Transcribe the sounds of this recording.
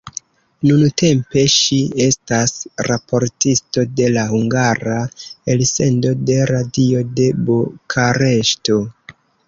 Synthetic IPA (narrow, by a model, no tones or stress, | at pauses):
nunute̞mpe̞ʃie̞stasɾapʰo̞ɾtisto̞de̞lahuŋɡaɾaelse̞ndo̞de̞ɾadio̞de̞bokʰaɾe̞ʃto̞